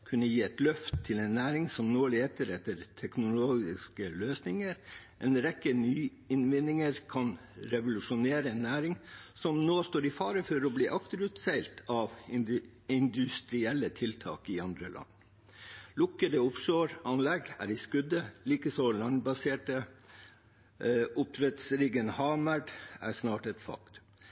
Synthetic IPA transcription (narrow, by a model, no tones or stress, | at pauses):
kʰʉnːəjiːɛt̪lœft̪ʰːɪlɛɪnːæːɾɪŋsɔmnoːɭeːt̪əɾɛt̪əɾt̪ʰɛknʊloːɡɪ̰skəløːsnɪŋəɾ | ʔɛːnɾɛkːənyː | ɪnʋɪnɪŋəɾkʰɑn | ɾɛʋʊlʉʂʊneːɾəɛnːæːɾɪŋsɔmnoːst̪oːɾɪfɑːɾəfɔɾɔbliːʔɑkt̪əɾʉːt̪sæɪlt̪ʰɑʋ | ɪnd̪ʉst̪ɾɪɛlːət̪ʰɪlt̪ʰɑ̰ːkɪɑnd̪ɾəlʔɑ̰nː | lʊkːəd̪əʊfʂøːɾɑnlɛɡæ̰ɾɪskʉd̪əliːkəsɔlɑnbɑseːʈə | ʊpɾɛt̪sɾiːɡənhɑːməɖæ̰ʂnɑːʈɛt̪fɑ̰kt̪